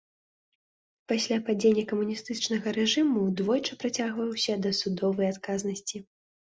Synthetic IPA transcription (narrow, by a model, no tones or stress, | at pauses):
pasʲlʲapad͡zʲenʲːɐkɐmunʲist̪ɨt͡ʂnɐɣɐɾɛʐɨmud̪vɔjt͡ʂɐpɾat͡sʲaɣvɐjɛwsʲɐd̪ɐsud̪ɔvɐjat̪kaznɐsʲt͡sʲi